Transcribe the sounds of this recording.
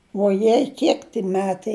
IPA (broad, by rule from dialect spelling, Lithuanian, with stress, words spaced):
ʋuɔˈjɛɪ ˈkʲiɛk tʲɪ ˈmʲæːtɐɪ